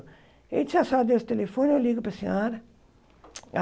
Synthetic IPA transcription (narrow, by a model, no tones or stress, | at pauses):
ḛt͡ʃ̪sasad̪ewst̪elefõnewliɡʊpɾɐsẽɔɾɐ | a